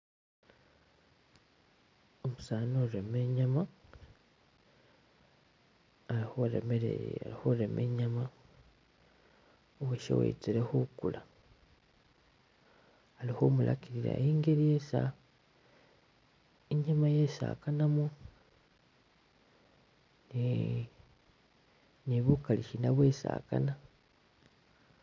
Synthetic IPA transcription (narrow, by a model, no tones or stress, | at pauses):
omusaːnoɾe̞me̞ːɲama | ihoɾḛmeɾḛa̰ɾihoɾe̞mʔḛːɲama | oweʃḛwḛit͡siɾe̞hukula | alixomulʔa̰kiɾiɾa̰jeːŋɡeɾijesa | eɲamajesa̰kanamu | n | niβukaliʃinaβwe̞sa̰ːka̰na